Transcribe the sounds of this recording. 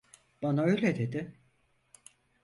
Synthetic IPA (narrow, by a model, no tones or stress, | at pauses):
b̥anaøjlʲed̪e̞d̪ɪ